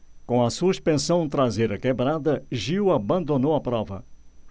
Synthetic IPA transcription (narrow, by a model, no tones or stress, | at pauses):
kõɐsuspẽsɐ̃w̃t̪ɾazejɾɐkebɾad̪ɐʒiwabɐ̃nd̪onowɐpɾɔvɐ̰